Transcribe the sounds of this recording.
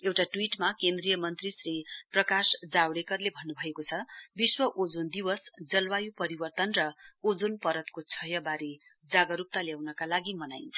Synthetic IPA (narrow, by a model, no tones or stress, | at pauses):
ewʈaʈwiʈmakend̪rijʌmʌnt̪risriprʌkasd͡zawɽekʌrlebʱʌnːubʱʌekot͡sʰʌbiswʌʔod͡zond̪iwʌsd͡zʌlwajupʌɾibʌrt̪ʌnrʌod͡zonpʌɾʌt̪kot͡sʰʌjʌbaɾi | d͡zaɡʌɾup̚t̪aljawnʌkalaɡimʌnajnt͡sʰʌ̥